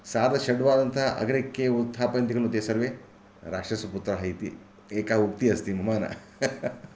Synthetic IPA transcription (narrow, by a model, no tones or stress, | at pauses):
saːd̪ɐʃɐɖʋaːd̪ɐnt̪ʰɐʔɐ̰ɡɐɾekːeut̪ʰːaːpɐnt̪iɡɐlnud̪eːsɐɾʋeː | ɾaːkʂɐsɐput̪ɾɐɦɐjt̪i | eːkaːuk̚t̪iɐst̪imɐmaːnɐ̰